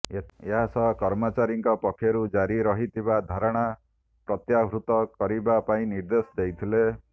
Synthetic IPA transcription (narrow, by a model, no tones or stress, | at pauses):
eɦasɔɦkɔɾmɔt͡ʃaɾiŋkɔpɔkʰjɔɾud͡ʒaɾiɾɔɦit̪ʰibad̪ʱaɾɔɽ̃a | pɾɔt̪jaɦɾut̪ɔkɔɾibapaĩniɾd̪esd̪ejt̪ʰile